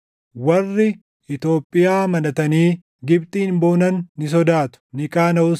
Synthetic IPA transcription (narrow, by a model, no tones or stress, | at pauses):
wɐrːɪ | ɪt̪o̞ːpʼːɪjaːmɐnɐt̪ɐniː | ɡɪb̚t̪ʼiːnbo̞ːnɐnːɪs̬ɔd̪aːt̪ʊ̥nɪkʼaːnɐʊ